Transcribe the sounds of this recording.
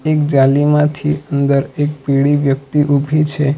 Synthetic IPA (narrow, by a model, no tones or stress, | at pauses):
ekd͡ʒalimãt̪ʰiənd̪əɾek̚piɭiʋjəkt̪iʔubʱit͡ʃʰe